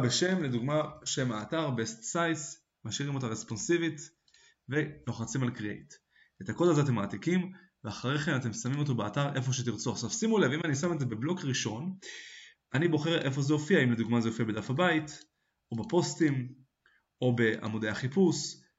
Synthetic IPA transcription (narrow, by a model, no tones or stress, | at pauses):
beʃe̞mle̞d̪uɡmaʃe̞maːtaʁbestsajs | maʃiʁimo̞t̪aʁespo̞nsivit | ve̞lo̞χat͡simalkʁiejt̪ | et̪ako̞dazeat̬emaːtikim | veaχaʁeχenate̞msamimo̞t̬o̞beataʁe̞fo̞ʃ̬et̪iʁt͡soaʃavsimulevimanisame̞zebeblo̞kʁiʃo̞n | anibo̞χe̞ʁʔe̞fo̞zeo̞fiaimled̪uɡmazeofiabe̞d̪afhabait | o̞bepo̞stim | o̞be̞ʔa̰mod̪eaχipus